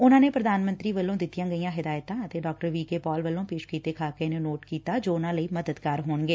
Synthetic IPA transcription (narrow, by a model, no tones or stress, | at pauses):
ʊnãːneːpɾəd̪aːnmə̃nt̪ɾiːʋəlːõːd̪ɪt̪ːijãːɡəijãːɦɪd̪aːjt̪ãːət̪eːɖɔːk̚ʈəɾʋiːkeːpɔːlʋəlːõːpeːʃkiːt̪eːkʰaːkeneːnoːʈkiːt̪aːd͡ʒoːʊnãːləiːməd̪əd̪kaːɾɦoːɳɡeː